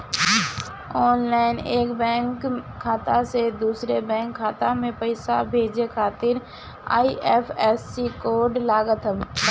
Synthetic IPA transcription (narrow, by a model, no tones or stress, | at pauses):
ɔːnlaːɪneːkbɛ̃ːŋkʰː | aːt̪ased̪uːsɾebɛ̃ːŋkʰːaːt̪amẽpəɪsabʱeːd͡ʒekʰaːt̪ɪɾ | a̰ːiʔɛːpʰɛːsːikoːɾɖlaːɡət̪ɦə